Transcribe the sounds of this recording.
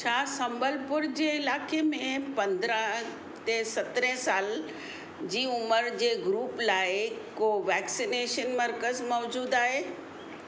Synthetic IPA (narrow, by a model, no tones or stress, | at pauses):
t͡ɕʰaːsɐ̃mbəlpʊɾd͡ʑeːɪlaːkemẽpɐ̃nd̪ɾə̃ɦ | t̪esɐt̪ɾɛ̃saːl | d͡ʑiːʊməɾd͡ʑeːɡɾuːplaːɪkoʋɛːksineːʃənməɾkəzmɔːd͡ʑuːd̪aːɦeː